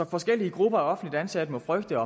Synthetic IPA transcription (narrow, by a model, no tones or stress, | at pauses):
ɒ̽fɒ̽sɡ̥el̰iəɡ̥ʁub̥ɐæɒ̽fn̩dlid̥ænsæd̥əmo̽fʁœɡ̥d̥əɒ̽